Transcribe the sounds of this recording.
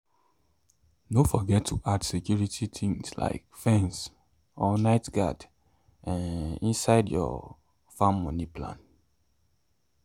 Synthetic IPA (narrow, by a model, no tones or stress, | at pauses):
nofɔɡɛtʰːuʔadsekjuɹitʰitʰĩŋsla̰ɪkfɛ̃ns | ɔnaɪtɡa̰d | ãnĩnsaɪdjɔ̰ | fãmːɔ̃nipʰlã̰n